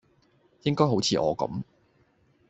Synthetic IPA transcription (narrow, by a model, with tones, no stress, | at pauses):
jɪ˥ŋkɔː˥jɦo˨˥wt͡sʰiː˨˧ʔɔ̰ː˨˧kɐ̰˨˥˦m